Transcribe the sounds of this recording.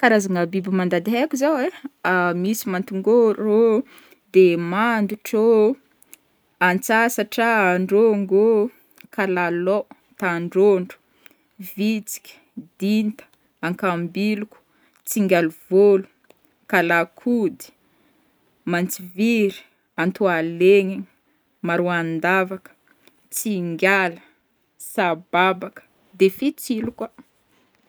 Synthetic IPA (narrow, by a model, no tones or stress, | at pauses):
kaɾazaŋəbibimand̪ad̪iɦekʲuzaweamisimant̪uŋɡoro | d̪emand̪uʈ͡ʂo | ant͡sasaʈ͡ʂaaɳɖ͡ʐoŋɡo | kalalɔ | t̪aɳɖ͡ʐoɳɖ͡ʐu̥ | vit͡si̥kʲd̪̥int̪ə̥ | aŋkambiluku̥ | t͡siŋɡʲaluv̥olu̥ | kalakʰud̪i̥ | mant͡siviɾi̥ | ant̪ualeɲi | maɾuand̪avakə̥ | t͡siŋɡʲalə̥ | sababakə̥ | d̪efit͡siluka